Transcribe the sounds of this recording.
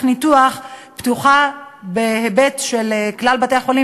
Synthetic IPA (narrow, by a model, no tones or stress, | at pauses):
nituaχptuχabehebetʃeleklalbate̞aχo̞li